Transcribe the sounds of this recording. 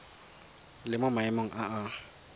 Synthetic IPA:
lɪmʊmaɛmoŋ̩ʔaa

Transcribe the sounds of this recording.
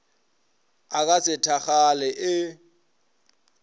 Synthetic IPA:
ak̬ʼasɪtʰaχalɪʔɪ

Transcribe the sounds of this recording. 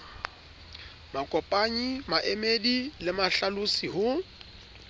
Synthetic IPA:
makʼɔpʼaɲimaʔemedilɪmaɬalʊsiɦʊ

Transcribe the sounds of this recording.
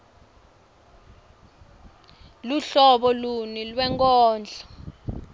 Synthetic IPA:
luɬɔɓɔlunilwɛŋkʼɔːnd͡ɮʱḁ

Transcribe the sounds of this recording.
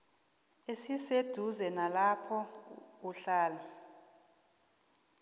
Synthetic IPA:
esised̥ʱuzɛnalapʰɔuɬaːla

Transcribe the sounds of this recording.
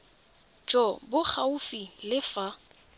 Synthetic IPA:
t͡ʃʼɔbʊk͡xʰaʊfilɪfa

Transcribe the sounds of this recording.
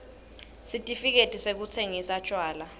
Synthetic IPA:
sitʼifik̬etʼisek̬ut͡sʰeŋisat͡ʃʼwaːla

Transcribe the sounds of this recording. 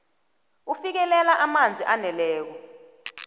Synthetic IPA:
ufik̬ɛlɛlaʔamand͡zʱiʔanɛlɛːk̬ɔ

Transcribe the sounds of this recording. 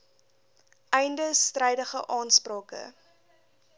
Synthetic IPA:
ʔɛjndəstrɛjdəχəʔɑːnsprɑːkə̰

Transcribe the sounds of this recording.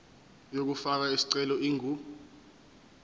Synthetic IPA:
jok̬ufak̬aisi̥ǀɛlɔiːŋʱu

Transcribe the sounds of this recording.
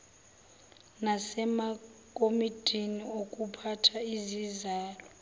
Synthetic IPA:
nasɛmakʼomidʼʱiniokʼupʰatʰaizizaːlɔ

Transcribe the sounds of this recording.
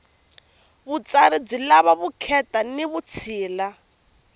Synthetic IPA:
βut͡saɾib͡ʐilaβaβukʰɛtaniβut͡sʰiːla

